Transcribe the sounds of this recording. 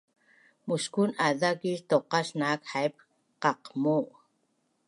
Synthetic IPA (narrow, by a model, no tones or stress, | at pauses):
muskunaðakiʒt̪oqɑsnaːkħajp̚ | qɑqmuʔ